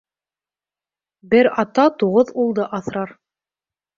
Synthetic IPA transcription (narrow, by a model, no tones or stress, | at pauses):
bɘɾɑt̪ɑt̪uʁɤðulˠd̪ɤʔɑθɾɑɾ